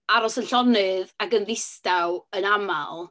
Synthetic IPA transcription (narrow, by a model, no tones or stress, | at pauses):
aɾɔsənɬɔnɨðaɡənðɪstawənama̰lˠ